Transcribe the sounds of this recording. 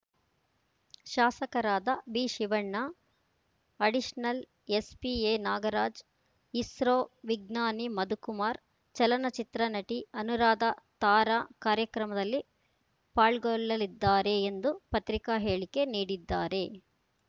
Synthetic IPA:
ʃaːsɐkɐɾaːd̪ɐbiːʃiʋɐɳːa | ɐɖiʃnɐl | espieːnaːɡɐɾaːd͡ʒ | isɾoːʋiɡnaːnimɐd̪ukumaːɾ | t͡ʃɐlɐnɐt͡ʃit̪ɾɐnɐʈiɐnuɾaːd̪ɐt̪aːɾaːkaːɾjɐkɾɐmɐd̪ɐlːi | paːɭɡɔɭːɐlid̪ːaːɾe̞ːnd̪upɐt̪ɾikaːɦeːɭike̞niːɽid̪ːaːɾe̞

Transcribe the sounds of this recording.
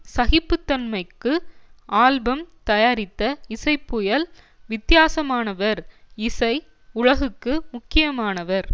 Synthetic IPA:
sɐɣɪpːɯt̪ːɐnmɐɪkːɯʔaːlbɐmt̪ɐjaːɾɪt̪ːɐɪsɐɪpːʊjɐl | ʋɪt̪ːjaːsɐmaːnɐʋɐɾɪsɐɪ | ʊɻɐɣɯkːɯmʊkːɪjɐmaːnɐʋɐɾ

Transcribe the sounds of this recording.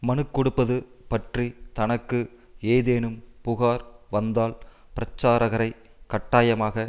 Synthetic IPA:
mɐnɯkːɔɽɯpːɐðɯpɐʈrit̪ɐnɐkːɯ | eːðeːnɯmpʊɣaːɾʋɐnd̪aːlpɪɾɐt͡ʃːaːɾɐɣɐɾɐɪkɐʈːaːjɐmaːɣɐ

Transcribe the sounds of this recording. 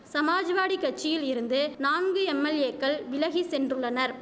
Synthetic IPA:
sɐmaːd͡ʒɐʋaːɽikːɐʈ̚t͡ʃːɪjɪlɪɾɯnd̪ɯnaːnɡɯɛmːɐleːkːɐɭʋɪlɐɣisɛndrɯɭːɐnɐɾ

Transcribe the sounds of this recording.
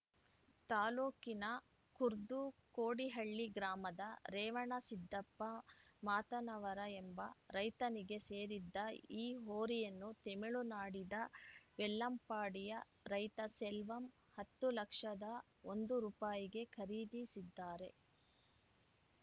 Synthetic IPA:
t̪aːluːkinɐ | kuɾd̪ukoːɽiɦɐɭːiɡɾaːmɐd̪ɐɾɛːʋɐɳɐsid̪ːɐpːɐmaːt̪ɐnɐʋɐɾɐembɐɾɐjt̪ɐniɡe̞se̞ːɾid̪ːɐiːɦoːɾijɐnːut̪emiɭunaːɽid̪ɐʋɛlːɐmpaːɽijɐ | ɾɐjt̪ɐsɛlʋɐm | hɐt̪ːulɐkʂɐd̪ɐ | o̞nd̪uɾuːpaːjiɡe̞kʰɐɾiːd̪isid̪ːaːɾe̞

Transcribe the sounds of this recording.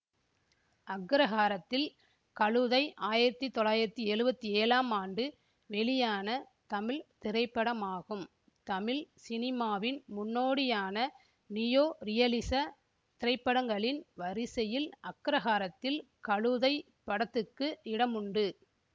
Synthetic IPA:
ʔɐɡɪɾɐɣaːɾɐt̪ːɪl | kɐɭɯðɐɪʔaːjɪɾɐt̪ːit̪ɔlɭaːjɪɾɐt̪ːiɛɻɯbɐt̪ːieːlaːmaːnɖɯ | ʋɛɭɪjaːnɐ | t̪ɐmɪlt̪ɪɾɐɪpːɐɽɐmaːɣɯm | t̪ɐmɪlsɪnɪmaːʋɪnmʊnːoːɽɪjaːnɐ | nɪjoːɾɪjɐlɪsɐ | t̪ɪɾɐɪpːɐɽɐŋɡɐɭɪnʋɐɾɪsɐjɪlʔɐkːɪɾɐɣaːɾɐt̪ːɪl | kɐɭɯðɐɪ | pːɐɽɐt̪ːɯkːɯɪɽɐmʊɳɖɯ

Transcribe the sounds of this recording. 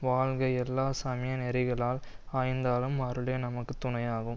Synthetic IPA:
ʋaːlɣɐɪɛlːaːsɐmɪjɐnɛɾɪɣɐɭaːl | aːjnd̪aːlɯmɐɾɯleːnɐmɐkːɯt̪ʊnɐjaːɣɯm

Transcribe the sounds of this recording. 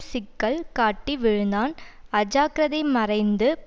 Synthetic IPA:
sɪkːɐɭkaːʈːiʋɪɻɯnd̪aːnɐd͡ʒaːkɾɐðɐɪmɐrɐɪnd̪ɯ

